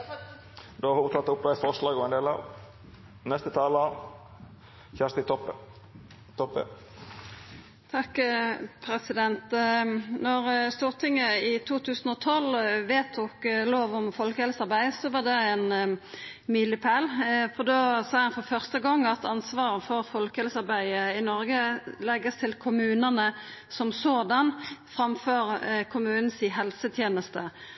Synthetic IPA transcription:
d̪ʊːt̪ʰɑt̪ːʊp̚d̪æɪfɔʂlɑːɡɔɛnd̪eːlɑ̰ːʋ | nɛst̪ət̪ʰɑːləɑ | çæʂst̪ɪt̪ʰɔpːə | t̪ʰɔpːə̰ | t̪ʰɑkːpʰɾɛsɪd̪ɛnt̪ | nɔʁst̪uːʁt̪ʰɪŋːəɪt̪ʰuːt̪ʰʉːsənɔt̪ʰɔlʋeːt̪ʰːuːkloːʋʊmfɔlkəhɛlsɑʁbæɪsɔʋɑʁd̪ɛɛn | miːlɪpʰælfɔd̪osɑːhɑnfɔʁfœʁst̪əɡɑŋːɑt̪ɑnsʋɑːʁəfɔʁfɔlkəɛlsɑʁbæɪəɪnɔɾɡəlɛɡːəst̪ʰɪlkʰʊmʉːnənə | sɔmsoːd̪ɑnfɾɑmføːɾkʰʊmʉːnn̩sɪɦɛlsət̪ʰjeːnəst̪ə

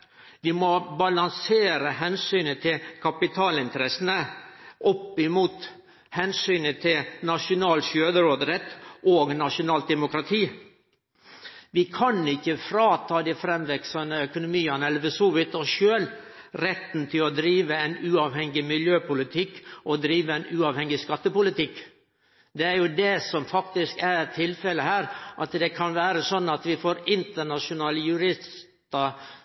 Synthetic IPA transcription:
ʋɪmɔbɑlɑnseːɾəɦɛnsyːnət̪ʰɪlkʰɑpɪt̪ʰɑːlɪnt̪əɾɛsənəʔɔpːɪmuːt̪ | hɛnsyːnət̪ʰɪlnɑʂʊnɑːlʃøːd̪əɾoːd̪ɾɛt̪ːʔoːɡnɑʂʊnɑːlt̪̚d̪ɛmʊkɾɑt̪ʰiː | ʋɪkʰɑnɪçːəfɾɑːt̪ʰɑːd̪ɛfɾɛmʋɛksɑnəœkʊnʊmiːɑnɛlʋəsuːʋɪt̪ɔʃøːl | ɾɛt̪nt̪ʰɪlɔd̪ɾiːʋəɛnʉːɑːʋhɛŋɡɪmɪljøːpʰʊlɪt̪ʰɪkːʔɔd̪ɾiːʋəɛɪnʉːɑːʋhɛŋːɪskɑt̪ːəpʊlɪt̪ɪkː | d̪ɛæɾjʊd̪ɛsɔmfɑkt̪ɪskæɾt̪ʰːɪlfɛləhæːɾʔɑt̪d̪ɛkʰɑnʋæːɾəsɔnːɑt̪ʋɪfoːɾɪnt̪əɳɑʂʊnɑːləjʉɾɪstt̪ɑ

